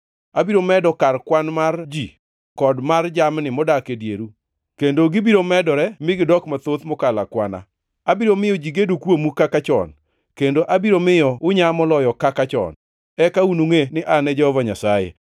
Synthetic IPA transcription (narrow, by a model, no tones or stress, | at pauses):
abiɾomɛdɔkarkwanmard͡ʒi | kɔdmard͡ʒamnɪmɔdakedjeɾu | kendoɡɪbiɾomɛdɔɾɛmɪɡɪdɔkmat̪ot̪mɔkalakwana̰ | abiɾomɪjɔd͡ʒiɡedukwomukakat͡ʃɔ̰n | kendoʔabiɾomɪjɔʊɲamɔlɔjɔkakat͡ʃɔ̰n | ɛkaunuŋenɪʔanɛd͡ʒɛhɔvaɲasajḛ